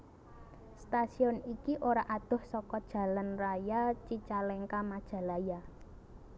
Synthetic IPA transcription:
st̪asiɔnikiʔoɾaʔad̪̥ʊ̤hsɔkɔd̥ʒ̥a̤lanrajat͡ʃit͡ʃalɛŋkamad̥ʒ̥a̤laja

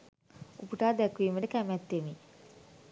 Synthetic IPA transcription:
upuʈaːd̪ækuʋiːməɖəkæmæt̪ːemi

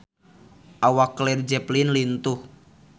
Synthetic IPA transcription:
ʔawaklɛrd͡ʒɛplinlint̪ʊh

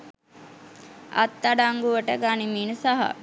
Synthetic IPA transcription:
a̰t̪ːaɖaŋɡuʋəʈəɡanimiːnəsaɦa̰

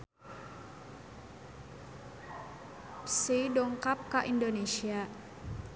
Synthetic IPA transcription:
sedoŋkap̚kaʔindonesia

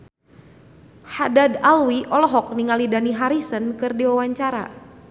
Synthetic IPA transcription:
hadadalwiʔɔlɔɦɔk̚niŋalidaniɦaɾisənkɨrdiwawaɲt͡ʃaɾa̰

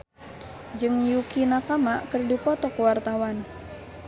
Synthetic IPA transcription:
d͡ʒɨŋjukinakamaʔkərdipɔt̪ɔkwart̪awan

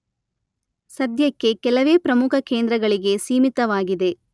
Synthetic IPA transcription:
sɐd̪ʱjɐkːe̞kɛlɐʋe̞ːpɾɐmukʰɐkeːnd̪ɾɐɡɐɭiɡe̞siːmit̪ɐʋaːɡid̪e̞

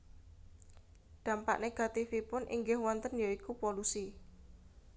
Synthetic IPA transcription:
d̪̥ä̤mpa̰ʔneɡ̥a̤t̪ifipʊnʔḭŋɡɪhwɔnt̪ənjoikupolusi

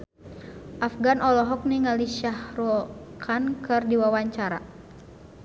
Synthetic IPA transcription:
ʔafɡanɔlɔɦɔk̚niŋaliʃahɾɔkʰankɨrdiwawaɲt͡ʃaɾa

